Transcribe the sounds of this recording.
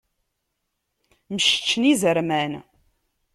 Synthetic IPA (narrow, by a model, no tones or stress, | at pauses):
məʃt͡ʃːnizəɾmæn